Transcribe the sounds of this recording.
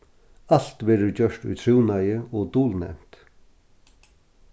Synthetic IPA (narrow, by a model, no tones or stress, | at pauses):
al̥t̪ʋɛːɾət͡ɕœʂt̪ṵt̪ʰɾuwnajəɔːt̪uːlnɛ̰m̥t̪